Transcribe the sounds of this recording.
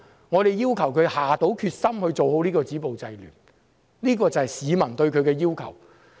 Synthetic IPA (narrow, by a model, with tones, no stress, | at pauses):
ŋɔː˨˧t̪e˨˩jjiː˥wkʰɐ˨˩wkʰɵ˨˧haː˨t̪o˨˥wkʰyː˧t̚sɐ˥mhɵ˧ɥt͡so˨who˨˥wnliː˥kɔː˧t͡siː˨˥po˨wt͡sɐ˧jly̰ː˨˩n | liː˥kɔː˧t͡sɐ˨˩hɐ˨˩jsiː˨˧mɐ˨˩nt̪ɵ˧ɥkʰɵ˨˧ɥkɛː˧jiː˥wkʰɐ̰˨˩w